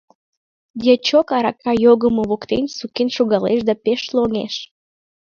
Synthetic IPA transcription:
d̪ʲet͡ɕokɑɾɑkɑjoɣəmoβokt̪enʲsukenʃuɣɑleʃd̪ɑpeʃloŋḛʃ

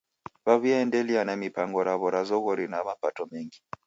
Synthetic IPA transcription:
βaβiaɛndɛlianamipaŋɡɔɾaβɔɾazɔɣɔɾinamapatɔmɛŋɡi

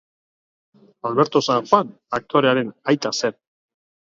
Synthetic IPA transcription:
alβe̞ɾt̪o̞saxwan | ak̚t̪ʰo̞ɾe̞aɾe̞najt̪asen

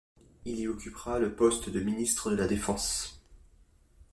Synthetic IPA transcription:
iliɔkʲypʁaləpɔst̪d̪əminist̪χəd̪əlad̪efɑ̃s

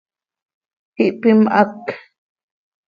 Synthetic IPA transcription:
hiʔpimʔa̰k

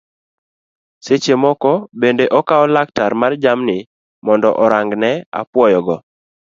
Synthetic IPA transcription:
set͡ʃemɔkɔbendeʔɔkaɔlak̚taɾmard͡ʒamnɪ | mɔndɔ̰ʔɔɾaŋɡnɛa̰pwɔjɔɡɔ

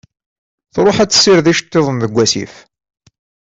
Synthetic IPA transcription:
θɾˤoħæt͡sːə̥sːiɾðiʃt̪ːeðˤənðəɡʷːæsḭf

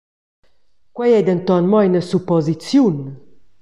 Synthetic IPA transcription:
kwɛjɛd̪ənt̪ɔnmɔjnəsupɔzit͡sjun

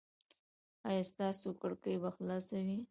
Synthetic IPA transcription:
ajast̪ɑsokaɽkəjbaxlɑsawi

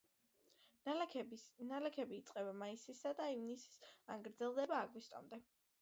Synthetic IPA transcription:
nalɛkʰɛbiːt̪sʼqʼɛbamaisisad̪aivnisi̥sa̰ŋɡɾd̪zɛlˠd̪ɛbaːɡwist̪ʼɔ̰md̪ɛ

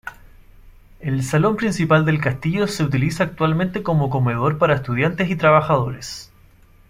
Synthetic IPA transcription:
elsalo̞mpɾinsipald̪e̞lkast̪iʝoseut̪̬ilisaːk̚t̪walment̪eko̞mo̞ko̞meðo̞ɾpaɾaest̪uðjant̪esit̪ɾaβaxaðo̞ɾes

